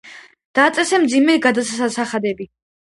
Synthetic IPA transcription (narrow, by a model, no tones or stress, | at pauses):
d̪̥aːt̪sʼɛsɛmd̪zimɛɡad̪asasasaχad̪ɛbi